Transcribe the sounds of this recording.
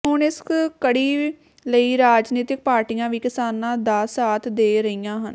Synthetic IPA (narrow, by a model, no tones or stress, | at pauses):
ɦʊnɪskkəɽiː | ləiːɾaːd͡ʒniːt̪ɪk̚paːɾʈijãːʋiːkɪsaːnãːd̪aːsaːt̪ʰd̪eːɾəiːjãːɦən